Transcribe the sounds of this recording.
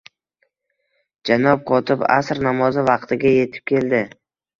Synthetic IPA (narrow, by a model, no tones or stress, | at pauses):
d͡ʒanɒp̚qʰɒt̪ʰɪpa̰sɾnamɒzɪvɑqt̪ʰɪɡʲaje̞t̪ʰɪ̥p̚kʲʰe̞ld̪ɪ